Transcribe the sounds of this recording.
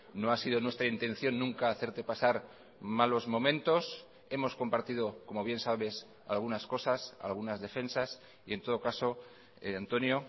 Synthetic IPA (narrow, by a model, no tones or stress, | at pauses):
no̞asið̞onwe̞st̪ɾaint̪ẽ̞nθjo̞nːũŋkaːθe̞ɾt̪e̞pasaɾ | malo̞zmõ̞mẽnt̪o̞s | e̞mo̞sko̞mpaɾt̪ið̞o̞ko̞moβ̞je̞nsaβe̞s | a̰lɣunasko̞sasa̰lɣ̞unazðe̞fe̞nsas | ie̞nt̪o̞ð̞o̞kaso̞ | eant̪o̞njo